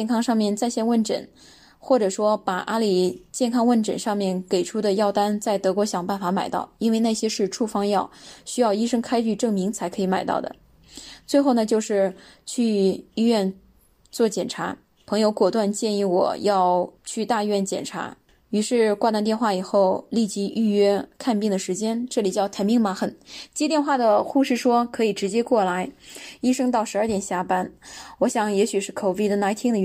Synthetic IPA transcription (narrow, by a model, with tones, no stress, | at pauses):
jɛ˥˩nkʰɑ˥ŋʂɑ˥˧ŋmjɛ˥˧nt͡sa˥˧ɪɕjɛ˥˧nwə˥˩nʈ͡ʂə̰˨˩˦n | xwɔ˥˩ʈ͡ʂɤ˨˩ʂwɔ˥pa˨˩ʔa˥li˨˩t͡ɕjɛ˥˩nkʰɑ˥ŋwə˥˩nʈ͡ʂə̰˨˩nʂɑ˥˧ŋmjɛ˥˩nke˨˩ɪʈ͡ʂʰu˥d̪ə˨jɑ˥˩ʊt̪a˥nt͡sa˥˩ɪt̪ɤ˧˥kwɔ˧˥ɕjɑ˨˩ŋpa˥˩nfa˧˥ma˨˩ɪt̪ɑ̰˥˩ʊi˥nwe˥˧ɪna˥˩ɪɕjɛ˥ʂɻ̩˥˧ʈ͡ʂʰu˥˩fɑ˥ŋjɑ˥˩ʊɕy˥jɑ˥˧ʊi˥ʂɤ˥ŋkʰa˥ɪt͡ɕy˥˧ʈ͡ʂɤ˥˩ŋmi˧˥ŋt͡sʰa˧˥ɪkʰɤ˧˥i˧˥ma˨˩ɪt̪ɑ̰˥˩ʊd̪ə̰˩ | t͡swe˥˧xo˥˩ʊnə˩t͡ɕjo˥˧ʊʂɻ̩˥˧t͡ɕʰy˥˧i˥ɥɛ˥˧n | t͡swɔ˥˩t͡ɕjɛ˨˩nʈ͡ʂʰa˧˥ | pʰɤ˧˥ŋjo˧˥ʊkwɔ˨˩t̪wa˥˧nt͡ɕjɛ˥˧ni˥˩wɔ̰˨˩˦jɑ˥˧ʊt͡ɕʰy˥˧t̪a˥˧i˥ɥɛ˥˩nt͡ɕjɛ̰˨˩nʈ͡ʂʰa̰˧˥ | y˧˥ʂɻ̩˥˧kwa˥˧t̪a˥˧nt̪jnxwa˥˩i˨˩xo˥˧ʊli˥˩t͡ɕi˧˥ʔy˥˧ɥɛ˥kʰa˥˧npi˥˩ŋd̪ə˩ʂɻ̩˧˥t͡ɕjɛ˥nʈ͡ʂɤ˥˩li˨˩t͡ɕjɑ˥˩ʊt̪ʰə˧˥mi˧˥ŋma˧˥xə˧˩˦nt͡ɕjɛ˥t̪jɛ˥˧nxwa˥˩d̪ə˩xu˥˧ʂɻ̩˥˩ʂwɔ˥kʰɤ˧˥i˨˩ʈ͡ʂɻ̩˧˥t͡ɕjɛ˥kwɔ˥˩la˧˥ɪi˥ʂɤ˥ŋt̪ɑ˥˩ʊʂɻ̩˧˥ə˞˥˩t̪jɛ˨˩nɕja˥pa˥nwɔ˧˥ɕjɑ˨˩ŋjɛ˧˥ɕy˨˩ʂɻ̩˥˩kʰo˨˩ʊfi˥˩d̪ə˨na˧˥ɪt̪ʰi˥ŋd̪ə˨